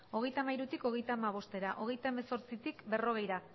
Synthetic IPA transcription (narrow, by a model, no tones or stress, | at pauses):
o̞ɣ̞e̞jt̪amaiɾut̪iko̞ɣ̞ejt̪aːmaβ̞o̞st̪e̞ɾaʔo̞ɣe̞jt̪aemeso̞ɾt͡sit̪ikbe̞ro̞ɣ̞e̞jɾa